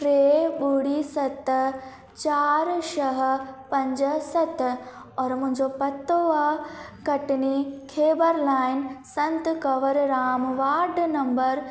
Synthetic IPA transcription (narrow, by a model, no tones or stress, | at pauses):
ɾeːbuɽisɐt̪ | t͡ʃaːɾʃɐɦə̆pɐ̃ɲd͡ʒəsɐt̪ | ɔːɾmʊ̃ɦɪ̃ɲd͡ʒopɐt̪ːoakɐʈnikʰeːbəɾlaːjnsɐ̃nt̪kɐʋɐɾɾaːmʋaːɾɖnɐ̃mbəɾ